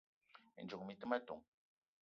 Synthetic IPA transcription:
ḛ˨nd͡ʒo˨ŋ˨mi˨˦t̪ə˦ma˦t̪o̰˨ŋ

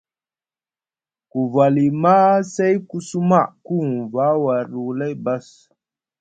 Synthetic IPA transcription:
ku˨va˨li˨ma˦se˦jku˦su˦ma˦˨ʔku˦˨ŋva˨˦wa˨ɾu˨le˦jba˦s

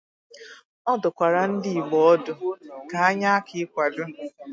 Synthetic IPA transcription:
ɔ˦dʊ˨kʷa˨ɾa˨n̩˦dɪ˦i˨ɡ͡bɔ˦ɔ˦dʊ˨ka˨a˦ɲa˦a˦kɪ˨˦kʷa˨dʊ˦

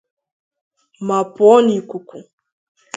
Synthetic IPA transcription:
ma˨pɔ˦ni˨ku˨ku˨

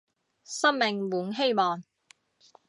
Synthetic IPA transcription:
sɐ˥mmɪ˨ŋwuː˨˥nɦe˥jmɔː˨ŋ

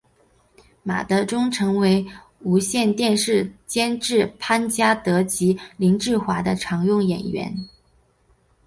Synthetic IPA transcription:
ma̰˨˩t̪ɤ˧˥ʈ͡ʂʊ˥ŋʈ͡ʂʰɤ˧˥ŋwe˧˥ɪ | u˧˥ɕjɛ˥˧nt̪jɛ˥˧nʂɻ̩˥˩t͡ɕjɛ˥nʈ͡ʂɻ̩˥˩pʰa˥nt͡ɕja˥t̪ɤ˧˥t͡ɕi˧˥li˧˥ŋʈ͡ʂɻ̩˥˩xwa˧˥d̪ə˧ʈ͡ʂʰɑ˧˥ŋjʊ˥˩ŋjɛ̰˨˩nɥɛ̰˧˥n

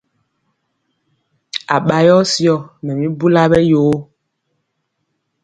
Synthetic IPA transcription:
a˨ɓa˨jɔ˦sjɔ˨mɛ˨mĩ˦bu˦la˦ɓɛ˦joː˦

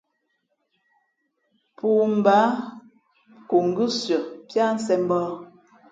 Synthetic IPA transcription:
pʰu˨m̩˨ba˨˦ | ko˨ŋ˨ɡɨ˦sjɔ˨pja˦n̩˦sɛ˨m˦bɔː˦

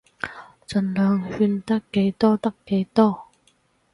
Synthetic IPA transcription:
t͡sɵ˨nlœː˨˧ŋhyː˧nt̪ɐ˥kːe˨˥jt̪ɔː˥t̪ɐ˥kkːe˨˥jt̪ɔː˥

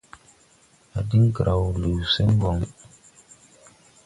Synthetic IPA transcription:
a˨di˦ŋ˦kɾʔa˨wlu˨se˦ŋ˦ɡɔ˨ŋ

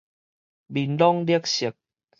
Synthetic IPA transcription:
bi˨nlɔ˦ŋli˦ə˦k̚ɕi˨˩˦k̚

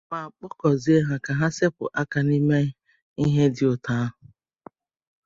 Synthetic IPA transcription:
ma˨k͡pɔ˦kɔ˨zi˦e˦ɦa˨ka˨ɦa˦se˦pʊ̰˨ʔa˦ka˨ni˦me˦ | i˦ɦe˦dɪ˨ʊ˨ta˦ʊ˨

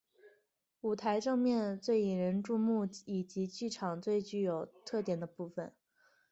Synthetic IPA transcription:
u˨˩t̪ʰa˧˥ɪʈ͡ʂɤ˥˧ŋmjɛ˥˧nt͡swe˥˩ɪi˨˩ɻə˧˥nʈ͡ʂu˥˧mu˥˩i˨˩t͡ɕi˧˥t͡ɕy˥˩ʈ͡ʂʰɑ˨˩ŋt͡swe˥˧ɪt͡ɕy˧˩jo˨˩ʊt̪ʰɤ˥˩t̪jɛ˨˩nd̪ə˦pu˥˩fə̰˩n

